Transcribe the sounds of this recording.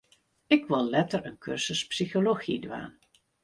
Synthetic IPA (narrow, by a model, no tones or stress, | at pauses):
ɪkʋɪlˠlɛtərənkʰørsəspsixoloxidʋa̰ːn